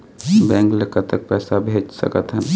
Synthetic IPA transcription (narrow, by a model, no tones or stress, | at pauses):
bɛ̃ːŋklekət̪ːək̚pɛːsabʱeːd͡ʒsə̰kət̪ɦɛ̃